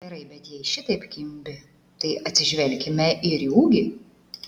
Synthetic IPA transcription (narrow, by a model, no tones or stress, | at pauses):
ɡʲɛɾɐɪbʲɛt̪jɛɪʃʲɪt̪ɐɪpkʲɪmʲbʲɪ | t̪ɐɪʔɐt̪ʲsʲɪʒʲʋʲɛlʲkʲɪmʲɛʔɪɾjuːɡʲɪ